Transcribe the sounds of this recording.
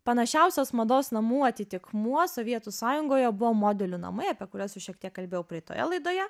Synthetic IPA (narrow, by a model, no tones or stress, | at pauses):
pɐnɐʃʲɛʊsʲoːsmɐd̪oːsnɐmuːɐt̪ʲɪt̪ʲɪkmuɔsoːʋʲiɛt̪usɑːjʊŋɡoːjɛbʊʋoːmoːd̪ʲɛlʲuːnɐ̰mɐɪɐpʲiɛkʊɾʲɛsʊʃʲiɛkt̪ʲiɛkkɐlʲbʲeːjɛʊpʲɾʲiɛt̪o̰ːjɛ̰lˠɐɪd̪oːjɛ